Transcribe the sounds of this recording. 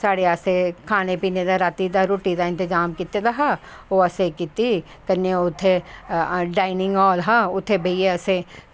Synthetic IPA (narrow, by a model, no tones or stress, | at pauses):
saːɽeasekʰaːnepiːned̪aɾaːt̪id̪aɾoːʈid̪aɪ̃nt̪ɪzaːmkit̪ed̪aɦa | oɐsekɪt̪i | kɐneʊt̪ʰːe | ɖaːɪnɪ̃ŋɡɔːlɦaʊt̪ʰːebʱɐjeɐse